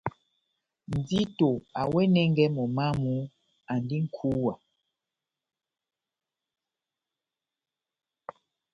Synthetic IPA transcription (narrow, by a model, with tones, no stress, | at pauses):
n˨d͡zi˦to˨a˨wɛ˦nɛ˦ŋɡɛ˦mɔ˨ma˦mu˦ | a˨ndi˦ŋ̩˦kʰu˨˦wa˨